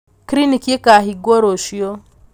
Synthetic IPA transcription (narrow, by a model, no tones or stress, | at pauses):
kɾinikekaɦiɡoɾoʃijo